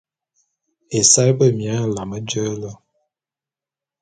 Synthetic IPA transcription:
e˨sa˦jbə˦˨mja˨˦˨la˨mə˦d͡ʒə˦lə˦

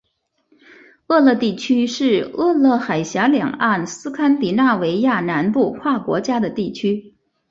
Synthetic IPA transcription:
ɤ˥˧lɤ˥˧t̪i˥˩t͡ɕʰy˥ʂɻ̩˥˧ɤ˥˧lɤ˥˩xa˨˩ɪɕja˧˥ljɑ̰˨˩ŋa˥˩nsɹ̩˥kʰa˥npi˨˩na˥˩we˧˥ɪja˥˩na˧˥npu˥˧kʰwa˥˩kwɔ̰˧˥t͡ɕja˥d̪ə˨t̪i˥˩t͡ɕʰy˥

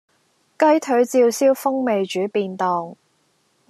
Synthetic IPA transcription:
kɐ˥jt̪ʰɵ˨˥ɥt͡siː˧wsiː˥wfʊ˥ŋme˨jt͡ʃyː˨˥piː˧nt̪ɔː˨ŋ

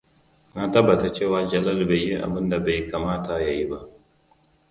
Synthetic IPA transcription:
na˦tɐ˦bːa˨ta˦t͡ʃe˦˨waː˦d͡ʒɐ˨lɐ˦lba˨jːi˦ʔa̰˨bɨ˦nda˨ba˨jka˨maː˦ta˨ja˨ji˦ba˦ʔ

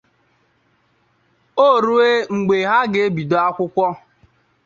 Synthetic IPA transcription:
o˦˨ɾu˦e˦ŋ͡m̩˨ɡ͡be˨ɦa˦ɡe˦e˦bi˨do˦a˦kʷʊ˦kʷɔ˦

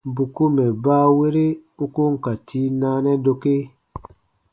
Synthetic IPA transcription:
bu˨ku˦mɛ˨baː˦we˦ɾe˦u˦ku˦ŋ̩˨ka˨ti˦naː˦nɛ˦do˧ke˦

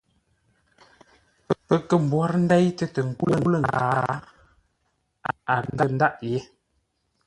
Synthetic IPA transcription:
pə˨pə˦˨kə˦˨m̩˨bwa˦ɾn̩˦dɛ˦jtə˦tə˨ŋ̩˨ku˦lə˦˨˦lə˨ŋ˨ɡaa˨ | a˨a˨n˦da˦n̩˦da˦ʔje˦

